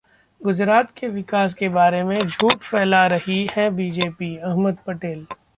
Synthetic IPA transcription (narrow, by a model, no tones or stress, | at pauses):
ɡʊd͡ʒɾaːt̪̚keʋɪkaːs̬kebaːɾemẽd͡ʒʱuːʈfɛːlaɾɐhihɛbiːd͡ʒeːpiɐɦməd̪̚pɐʈeːl